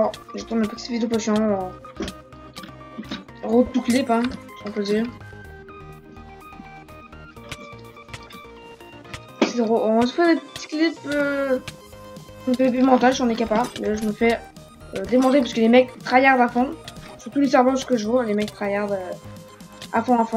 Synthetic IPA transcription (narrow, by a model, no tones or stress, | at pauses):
ɔʁʒət̪unləpət̪i̥t̪pid̪əpɔsjɔ̃ | ʁot̪uklipɛ̃sɔ̃pød̪iʁ | set̪eʁoɔ̃səfɛd̪epət̪i̥klipø | d̪øepimɑ̃t̪alʒɑ̃nekapamɛlaʒəməfɛ | ød̪emɔ̃t̪ep̬asəkəlemɛkt̪χajaʁd̪afɔ̃syʁt̪ulesɛʁbɔ̃sskəʒəvɔlemɛk̚t̪χajaʁd̪ø | a̰fɔ̃afɔ̃